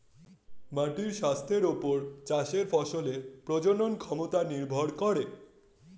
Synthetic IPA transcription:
maʈiɾʃast̪ʰeɾupoɾt͡ɕaʃeɾfɔʃolepɾod͡ʑononkʰɔmot̪aniɾbʱoɽkɔɾe

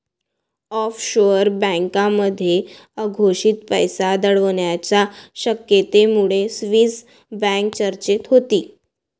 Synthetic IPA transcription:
ɔfɕoɾbə̃ŋkãməd̪ʱːje | əɡʱoɕiːt̪pəjsad̪əɭəʋɳjat͡ɕaɕəkjet̪emuɭesʋiːs | bæ̃ŋk̚t͡ɕəɾt͡ɕet̪ɦot̪iː

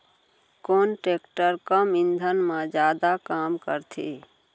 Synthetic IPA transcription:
koːnʈeːkʈəɾkamɪ̃nd̪ʱənmãd͡ʒjaːd̪akaːmkəɾt̪ʰḭ

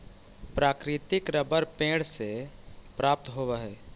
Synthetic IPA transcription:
pɾaːkɾɪt̪ɪkɾəbəɾpẽːɽsepɾaːp̚t̪ɦoːʋeɦɛː

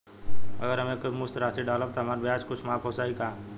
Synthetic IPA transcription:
ə̰ɡəɾɦɐmekmʊst̪ɾaːt̪iɖaːləb̚t̪oɦɐmaːɾbjaːd͡ʒkʊt͡ʃʰmaːkʰoːsaːikaː

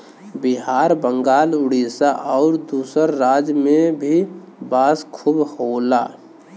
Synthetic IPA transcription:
bɪɦaːɾbə̃ŋɡaːlʊɽisaʔɔːɾd̪uːsəɾːaːd͡ʒmẽbʱi | baːskʰubhoːla̰ː

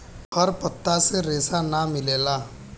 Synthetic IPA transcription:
həɾpət̪ːaseɾeːsanamɪleːlaː

